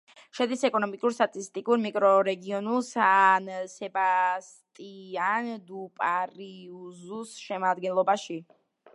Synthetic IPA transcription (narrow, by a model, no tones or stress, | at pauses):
ʃɛd̪isɛkʼɔnɔmikʼuɾst̪ʼat̪ʼist̪ʼikʼuɾmikʼɾɔɾɛɡiɔnulˠsansɛbas | t̪ʼiand̪upʼaɾiuzusʃɛmad̪ɡɛnlˠɔbaʃi